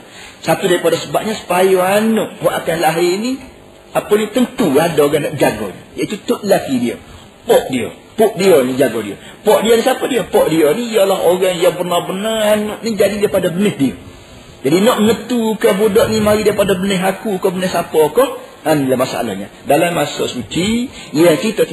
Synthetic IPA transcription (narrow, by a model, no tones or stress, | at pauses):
sat̪udaɾipadasəbap̚ɲasə̥pajoanʊʔhɔʔakanlaɦɪni | aponit̪ənt̪uadaoɣaŋnaʔd͡ʒaɡɔ̰ɲa̰jaʔit̪ut̪ʊʔlakidio̰ | pɔʔdio̰ | pɔʔ̚dionid͡ʒaɡɔdḭo̰pɔʔdionĩsapɔdiopɔʔdionijalaɦoɣaŋjapərnabənaanʊʔnid͡ʒadidaipadabənəhdio̰ | d͡ʒadinɔʔmənət̪ukabudɔʔnimaɾidaipadabənɪɦakukɔbənəhsapɔkɔ | anlamasa̰ʔa̰la̰hɲa̰ | dalamːasɔsut͡ʃijakit̪ə